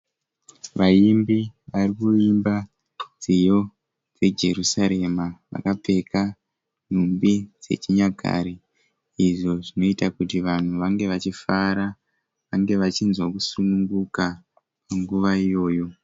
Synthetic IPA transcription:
ʋaimbiʋarikuimba | d͡zijo̞ | d͡ze̞d͡ʒe̞rusaɾe̞maʋa̰kap͡fe̞ka | n̤umbid͡ze̞̰t͡ʃiɲaɡʱa̰ɾiː | ʐo̞ʐino̞itakutiʋan̤uʋaŋɡe̞ʋat͡ʃifaɾa | ʋaŋɡe̞ʋat͡ʃinzwakusunuŋɡuka | paŋɡuʋaijo̞ːjo̞

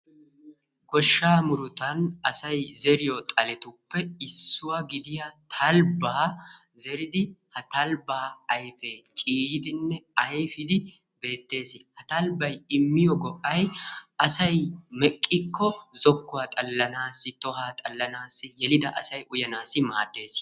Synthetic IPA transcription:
ɡɔʃːaːmʊɾʊt̪ɐnɐsɐjzɛɾɪjɔt̪ʼɐlɛt̪ʊpːɛɪsːʊwɐɡɪd̪ɪjɐt̪ʰɐlbaːzɛɾɪd̪ɪhɐt̪ɐlbaːjfɛt͡ʃʼiːjɪd̪ɪnːɛɐjfɪd̪ɪ | be̞ːt̪ːe̞ːsɪhɐt̪ɐlbɐjɪmːɪjɔɡɔʔɐjɐsɐjmɛkʼːɪkʰːɔzɔkːʊwaːt̪ʼɐlːɐnaːsːɪt̪ɔɦaːt̪ʼɐlːɐnaːsːɪjɛlɪd̪ɐʔɐsɐjʔʊjɐnaːsɪma̰ːt̪ːe̞ːs

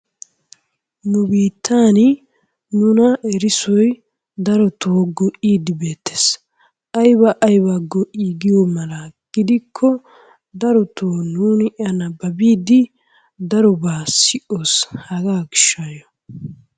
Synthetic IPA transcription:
nʊbiːt̪ʰːaːn | nʊnɐɛɾɪsɔj | d̪ɐɾɔt̪ʰoːɡɔʔiːd̪ɪbe̞ːt̪ːe̥s | ʔɐjbɐʔɐjbaɡɔʔiɡɪjomɐlɐɡ̥ɪd̪ɪkʰːɔ | d̪ɐɾɔt̪ʰoːnuːnɪʔɪɐnɐbɐbiːd̪ɪ | d̪ɐɾɔbaːsɪʔoːshɐɡaːɡɪʃːajɔ

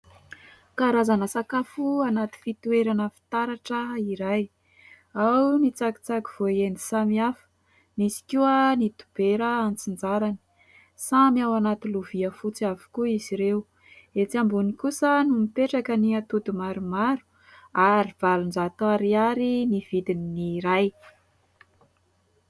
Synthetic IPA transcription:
kaɾazanəsakafuanat̪i̥fit̪ueɾanəfi̥t̪aɾaʈ͡ʂəiɾaj | awnit͡saki̥t͡saki̥v̥oienisamiafə̥ | nisi̥kuənit̪ub̥eɾəant͡sind͡zaɾani̥ | samiawanat̪iluviəfut͡siavu̥kuiziɾew | et͡siambunikusənumipeʈ͡ʂakəniat̪ud̪umaɾumaɾu̥ | aɾiv̥alund͡zat̪aɾiaɾiniv̥id̪ininiɾaj

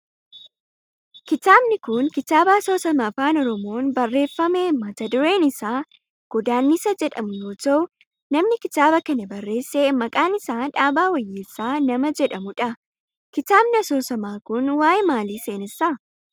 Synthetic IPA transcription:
kɪt̪aːbnɪkʊŋkɪt̪aːbɐɐso̞ːsɐmɐɐfaːnɔɾɔmo̞ːnbɐrːe̞ːfːɐmeːmɐt̪ɐd̪ʊɾe̞ːnɪsaː | ɡ̥ɔd̪aːnːisɐd͡ʒɛᶑɐmʊjo̞ːt̪ɐʊ | nɐmnɪkɪt̪aːbɐkɐnɐbɐrːe̞ːsːeːmɐkʼaːnɪsaːᶑaːbaːwɐjːeːsaːnɐmɐd͡ʒɛᶑɐmʊᶑɐ | kɪt̪aːbnɪɐso̞ːsɐmaːkʊnwaːjemaːliːseːnɪsɐ

